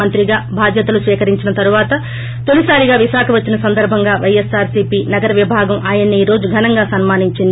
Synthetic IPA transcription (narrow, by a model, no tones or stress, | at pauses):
ɐnt̪ɾiɡaːbʱaːd̪jɐt̪ɐlusʋiːkɐɾiɲt͡ʃinɐt̪ɐɾuʋaːt̪ɐ | t̪olisaːɾiɡaːʋiʃaːkʰɐʋɐt͡ʃːinɐsɐnd̪ɐɾbʱɐŋɡaːʋɐjesaːɾsiːpiːnɐɡɐɾɐʋibʱaːɡɐmaːjɐnːiiːɾo̞ːd͡ʒuɡʱɐnɐŋɡaːsɐnmaːniɲt͡ʃin